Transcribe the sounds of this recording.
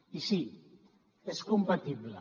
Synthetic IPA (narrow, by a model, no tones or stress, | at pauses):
isi | eskumpat̪iβlə